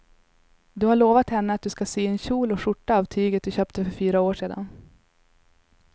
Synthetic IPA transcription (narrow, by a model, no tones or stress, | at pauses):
d̪ɵhaɭoːvat̪hɛnːəat̪̚d̪ɵskaseːɛnɕuːlɔʂʊʈːaːvt̪ʰyːɡət̪̚d̪ɵɕœːp̚t̪əfœɾfyːɾaoːʂeːd̪a̰n